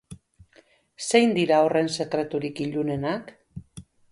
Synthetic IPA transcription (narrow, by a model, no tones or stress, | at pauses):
se̞jnd̪iɾaore̞nse̞kɾe̞t̪uɾikiʎune̞nak